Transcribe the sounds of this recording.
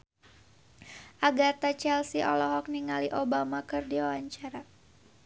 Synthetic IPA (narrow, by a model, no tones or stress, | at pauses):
ʔaɡart̪at͡ʃɛlsiʔɔ̰lɔɦɔk̚niŋaliʔobamakɨrdiwawaɲt͡ʃaɾa